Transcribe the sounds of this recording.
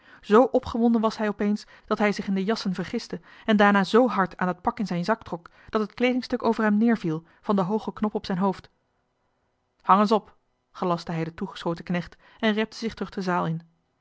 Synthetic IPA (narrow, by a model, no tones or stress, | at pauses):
z̥owʔɔpχəʋɔndənʋɑsɦɛjɔpejns | d̥ɑtɦɛjzɪχɪndəjɑsənvəɹχɪstəɛndaːɹnaːzowɦɑɹtʰaːnət̚pɑkɪnzɛjnzɑk̚trɔk | d̥ɑtɦətklejdɪŋstɵkowvəɹɦɛmnɪːɹvilˠ | v̥ɑndəɦowχəknɔpɔpsɛjnɦowft | hɑŋənsɔp | χəlɑstəɦɛjdətuχə̥sχoːwtəknɛχt | ɛnrɛp̚təzɪχtɵχdəzaːlˠɪn